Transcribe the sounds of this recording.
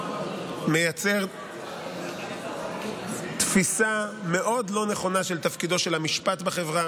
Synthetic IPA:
me̞jat͡se̞ʁ | t̪fisame̞ʔo̞d̪lo̞ne̞χo̞naʃelt̪afkido̞ʃe̞lamiʃpat̪beχe̞vʁa

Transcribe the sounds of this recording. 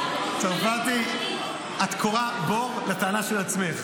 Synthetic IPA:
tafaʁt̪i | at̪kʰoʁaboʁlat̪aːnaʃelat͡smeχ

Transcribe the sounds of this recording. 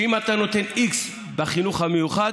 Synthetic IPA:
imat̪ano̞t̪e̞niks | baχinuχhamejuχad

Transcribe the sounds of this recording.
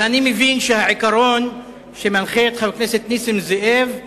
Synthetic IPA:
animevinʃehaʕikaɾon | ʃemanχeet̪χabekneset̪nisimzeʔev

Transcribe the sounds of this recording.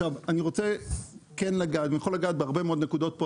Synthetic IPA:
avaniʁot͡sekenlaɡaːd̪vejeχo̞laɡaːt̪̚beaʁbe̞meo̞d̪nekud̪o̞t̪̚po

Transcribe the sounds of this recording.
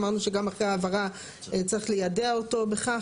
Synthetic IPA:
maʁnuʃe̞ɡamaχʁeaːvaʁa | t͡saʁiχlejadeaoto̞beχa

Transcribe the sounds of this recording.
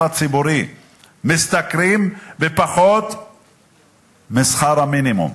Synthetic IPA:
at͡sibuɾi | mist̪akɾimbepaχot̪ | misχaɾaminimṵm

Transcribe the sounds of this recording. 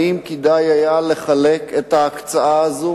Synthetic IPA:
imkid̪ajajaleχaleket̪haːkt͡saʔaazo

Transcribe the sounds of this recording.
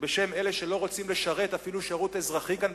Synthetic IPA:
be̞ʃe̞me̞le̞ʃe̞lo̞ʁo̞t͡simle̞ʃaʁe̞t̪afiluʃeʁut̪ezʁaχikan

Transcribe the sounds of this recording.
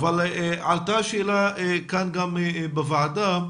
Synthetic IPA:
valʕalt̪aʃeːlaekanɡamebevaad̪a

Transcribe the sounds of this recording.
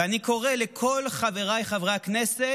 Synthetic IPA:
aniko̞ʁelekʰo̞lχave̞ʁajχavʁeaknese

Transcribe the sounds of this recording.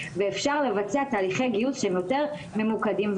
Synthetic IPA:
veːfʃaʁle̞vat͡seat̪aːliχejɡijusʃeemjo̞t̪eʁ | me̞mukad̪imv

